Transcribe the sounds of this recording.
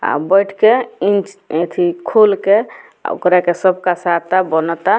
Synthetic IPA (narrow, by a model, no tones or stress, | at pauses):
a̰bəjʈʰkeit͡ʃet̪ʰikʰolke | o̰kɾakesəbʱkasat̪abənɔt̪a